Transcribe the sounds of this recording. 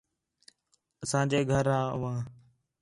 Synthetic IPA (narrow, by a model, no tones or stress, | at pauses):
əsãːd͡ʒeːɡʱəɾaːʊʋãː